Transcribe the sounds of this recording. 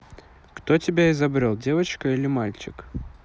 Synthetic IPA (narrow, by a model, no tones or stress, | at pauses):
kt̪ɔtʲɪbʲaizabɾʲɛlˠdʲevɐt͡ʃkɐilʲɪmalʲt͡ʃɪk